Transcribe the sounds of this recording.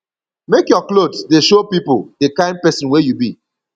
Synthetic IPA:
mekjɔklodsdeʃopipodekãɪ̃n̚pɛsɔ̃nwejubi

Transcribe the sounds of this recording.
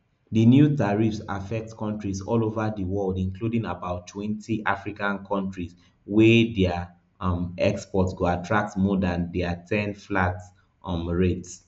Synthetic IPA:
dənjutaɹifsa̰fɛk̚tkʰɔ̃ntɹisɔlovadəwɔldĩnkʰludĩŋabaʊtʰːwɛ̃ntʰiʔafɹikãnkʰɔ̃ntɹis | wɛdɛa | mɛkspɔtsɡoatʰɹak̚tmɔdãndɛatʰɛ̃nflats | ʔmɹets

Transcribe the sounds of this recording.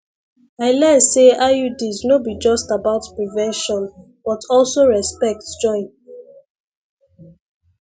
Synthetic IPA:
aɪlɛseaudiznobid͡ʒɔstabaʊtpɹivɛ̃nʃɔ̃n | b̥ɔtʰɔlsoɹɛspɛk̚td͡ʒɔ̃ɪ̃n

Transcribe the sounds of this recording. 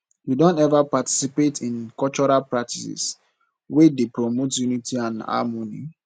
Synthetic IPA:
judɔ̃ntɛvapati̥sipetʰĩnkɔt͡ʃɔɾalpɹak̚tʰisḭs | wedepɾomotjunitʰiãna̰monḭ

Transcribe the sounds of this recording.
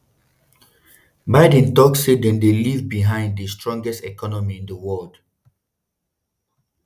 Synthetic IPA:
baɪdɛ̃ntɔksedɛ̃ndelivbiɦãɪ̃nddəstɹɔ̃ŋɡɛstɛkɔnɔmiĩndəwɔld̥

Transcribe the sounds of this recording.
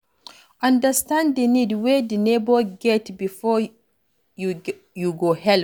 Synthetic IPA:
ʔandəstandɛnidwedinɛbɔɡɛtbifɔ | juɡɔhɛl

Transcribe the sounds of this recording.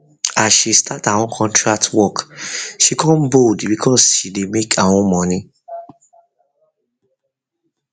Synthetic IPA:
aʃistʰataw̃ɔ̃kʰɔ̃ntɹaktwɔkʃikʰɔ̃nbodbikʰɔsʃidemekʰaw̃ɔ̃mɔ̃nĩ

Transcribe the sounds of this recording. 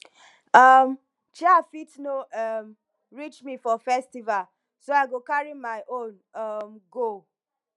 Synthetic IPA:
ʌm | t͡ʃiafitnoʌm | ɹit͡ʃmifɔfɛstival | soaɪɡokaɹimaɪʔõn | ʌmɡo

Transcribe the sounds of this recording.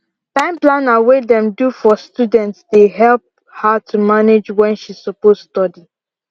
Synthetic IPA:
tãɪ̃mplãnawedɛ̃mdufɔstudɛ̃ntsdeɦɛlp̚ | hatʰumaned͡ʒwɛ̃nʃisopozstɔdi

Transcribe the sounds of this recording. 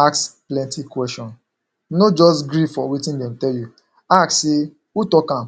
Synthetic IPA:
aksplɛ̃ntikwɛsʃɔ̃n | nod͡ʒɔsɡɾifɔwitĩndɛm̩tɛlju | akse | utɔkãm

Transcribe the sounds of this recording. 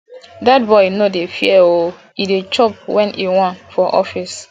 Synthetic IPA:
dat̚bɔɪnodefiɛo | idet͡ʃɔp̚wɛ̃niwɔ̃nfɔʔɔfis

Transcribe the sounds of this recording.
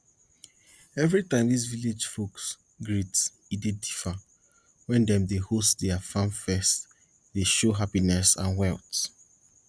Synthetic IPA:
ɛvɹitãɪ̃mdis̬viled͡ʒfoks | ɡɹits | idedifa | wɛ̃ndɛ̃mdehostdɛafãnfɛst | deʃoɦapinɛsã̰nwɛlt

